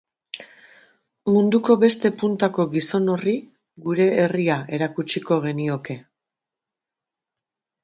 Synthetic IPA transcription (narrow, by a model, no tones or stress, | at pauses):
mund̪uko̞βe̞st̪e̞punt̪ako̞ɣiso̞no̞ri | ɡuɾe̞ːriae̞ɾakut͡ʃiko̞ɣe̞nio̞ke̞